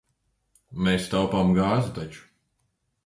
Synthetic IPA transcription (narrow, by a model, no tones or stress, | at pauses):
meːst̪awpamɡaːzut̪at͡ʃu̥